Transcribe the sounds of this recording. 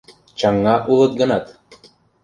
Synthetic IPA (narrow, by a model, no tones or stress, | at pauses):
t͡ɕɑŋːɑʔulˠɤt̪̚ɡɤ̆nɑt̪